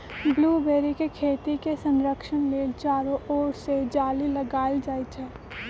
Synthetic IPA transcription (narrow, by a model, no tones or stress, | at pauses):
bluːbeːɾikekʰeːt̪ikesə̃nɾəkʃənleːt͡ʃaːɾoʔoːɾsed͡ʒaːliləɡaːɪld͡ʒaːit͡ʃʰɛː